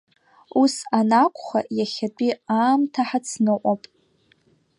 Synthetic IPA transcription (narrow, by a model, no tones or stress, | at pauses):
usanakʷʰʼχajaχʲat͡pʷʼiaːmtʰaħat͡sʰnɨqʷʼapʼ